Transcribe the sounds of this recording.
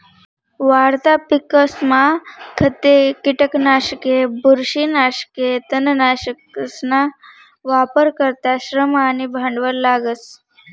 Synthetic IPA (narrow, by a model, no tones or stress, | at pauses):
ʋaɾt̪apikəsmakʰət̪ekiʈəknaɕkebuɾɕinaɕket̪ənnaɕəkəsna | ʋapəɾkəɾt̪aɕɾəmanibʱəɳɖʋəllːaɡəs